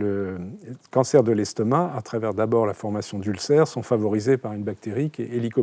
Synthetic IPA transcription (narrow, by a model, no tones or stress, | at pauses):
lə | kɑ̃sɛʁd̪əlɛst̪ɔmaat̪χavɛʁd̪abɔʁlafɔʁmasjɔ̃d̪ylsɛʁsɔ̃favɔʁizepaʁynbak̚t̪eʁikʲeelikɔ